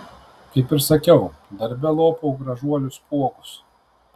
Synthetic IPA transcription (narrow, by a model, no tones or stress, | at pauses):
kɐɪpɪɾsɐkʲɛʊd̪ɐɾʲbʲɛlˠoːpoʊɡɾɐʒuɔlʲʊspuɔkʊ̥s